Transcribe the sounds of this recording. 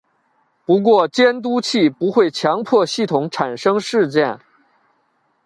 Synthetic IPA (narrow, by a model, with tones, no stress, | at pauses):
pu˧˥k̬wɔ˥˩t͡ɕjɛ˥nt̪̬u˥t͡ɕʰi˥˩pu˧˥xwe˥˩ɪt͡ɕʰjɑ˧˥ŋpʰɔ˥˧ɕi˥˩t̪ʰʊ˧˥ŋʈ͡ʂʰa˨˩nʂɤ˥ŋʂɻ̩˥˧t͡ɕjɛ˥˩n